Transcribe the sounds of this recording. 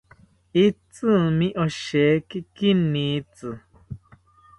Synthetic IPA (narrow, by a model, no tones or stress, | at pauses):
it͡sɨmĩʔɔʃɛkikinːĩt͡sɨ